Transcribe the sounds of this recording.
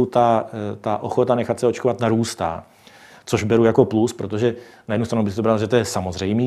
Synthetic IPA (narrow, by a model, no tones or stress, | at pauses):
wt̪at̪aʔoxo̞t̪anɛxat̪sɛo̞t͡ʃkovat̪naɾuːst̪a̰ː | t͡so̞ʒbɛɾujako̞pluspɾo̞t̪̬o̞ʒɛ | najɛdnust̪ɾanubɪsɪt̪obɾalʒɛt̪ojɛsamozrɛjmiː